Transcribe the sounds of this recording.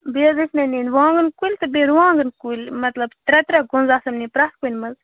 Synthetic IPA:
beːzɨsnɐninʋãːŋɡɨnkulʲt̪ɨbeɾʋãːŋɡɨnkulʲmɐt̪lɐbt̪ɾɐt̪ɾɐɡʊnzaːsɐmnipɾɐt̪kunʲmɐz

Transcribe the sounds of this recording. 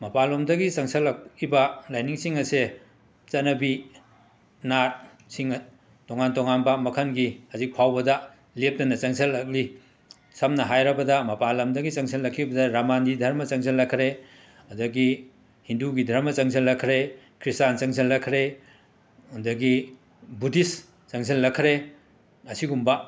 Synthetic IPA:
mɐpalomdɐɡisɐŋsʰɐlːɐkibɐlajniŋsiŋɐse | t͡ʃɐnɐbi | naɾ | siŋ | toŋantoŋanbɐmɐkʰɐnɡihɐzik̚pʰawbɐdɐ | lep̚tɐnɐt͡ʃɐŋsʰɐlːɐk̚li | sɐmnɐɦajɾɐbɐdɐmɐpalɐmdɐɡit͡ʃɐŋsʰɐlːɐkʰːibɐdɐɾamanɡidʱɐɾmɐt͡ʃɐŋs̬ʰɐlːɐkʰɾe | ɐdɐɡi | hinduɡidʱɐɾmɐt͡ʃɐŋsʰɐlːɐkʰɾe | kʰɾistant͡ʃɐŋs̬ʰɐlːɐkʰɾe | undɐɡi | budis | t͡ʃɐŋsʰɐlːɐkʰːɾe | ɐsiɡumbɐ

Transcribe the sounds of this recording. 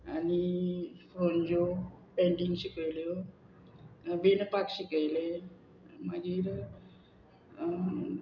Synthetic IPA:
anifɾond͡ʑopeɳɖiŋɡɕikəjljo | ʋenpakɕikəjle | məɡiːɾ

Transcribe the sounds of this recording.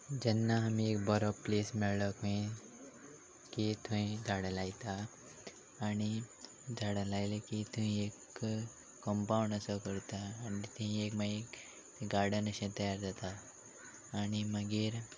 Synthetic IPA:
d͡ʑɛnːaɦamĩekbəɾoplesmiɭləkmẽ | kit̪ʰũĩd͡zʱaɽəlait̪aː | ɽ̃i | d͡zʱaɽəlajlekit̪ũĩekː | əmpaũɳɖəsəkəɾt̪aːnit̪eɦĩekmaek | ɡaɾɖənəɕẽt̪əjaɾd͡zat̪aː | ɽ̃iməɡiːɾ

